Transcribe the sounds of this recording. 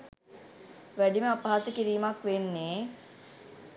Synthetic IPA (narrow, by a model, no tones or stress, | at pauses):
ʋæɖiməapaasəkiɾiːmakʋenːeː